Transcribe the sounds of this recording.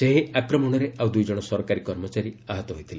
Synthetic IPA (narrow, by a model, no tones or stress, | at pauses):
seɦiakɾɔmɔɽ̃ɔɾeʔawd̪ujd͡ʒɔɽ̃ɔsɔɾɔkaɾikɔɾmɔt͡ʃaɾiaɦɔt̪ɔɦojt̪ʰile